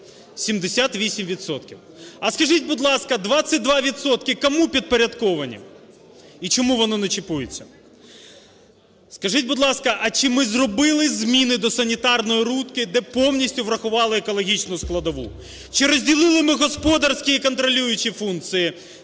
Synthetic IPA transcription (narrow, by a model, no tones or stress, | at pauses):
sʲimd̪esʲat̪ʋʲisʲimʋʲit̪sɔt̪kʲiw | ɐskɐʒitʲbʊd̪lˠɑskɐd̪ʋɑt͡ssʲɐt̚ʲd̪ʋɑʋʲit̪sɔt̪kɪkɔmupʲid̪̚peɾʲɐd̪t̪kɔʋɐnʲḭ | it͡ʃɔmuʋɔnɔnɐt͡ʃɪpujɪt͡sʲːɐ | skɐʒɪt̚ʲbʊd̪lˠɑskɐʔɐt͡ʃɪmɪzrɔbɪlˠɪzʲmʲinɪd̪ɔsɐnʲit̪ɑrnɔjiɾut̪kɪd̪ɛpɔwnʲisʲtʲʊʋɾɐxʊʋɑlˠɪekɔlˠɔɦʲit͡ʃnʊsklˠɐd̪ɔʋṵ | t͡ʃɪɾɔzʲdʲilˠɪlˠɪmɪɣɔspɔd̪ɐrsʲkʲiikɔnt̪ɾɔlʲujʊt͡ʃifunk̚t̪sɨji